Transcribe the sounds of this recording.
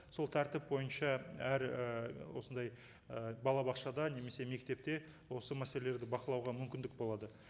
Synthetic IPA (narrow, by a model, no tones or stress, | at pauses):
so̞lˠt̪ʰæɾt̪ɪp̚bo̞jənʃɑæɾəwo̞sənd̪ɑj | əbɑlˠɑbɑqʃɑd̪ɑne̞me̞se̞me̞kt̪e̞p̚t̪e̞ | wo̞səmæse̞lele̞ɾd̪ɪbɑqəlˠɑwʁɑmʏmkʲɪnd̪ɪk̚bo̞lˠɑd̪ə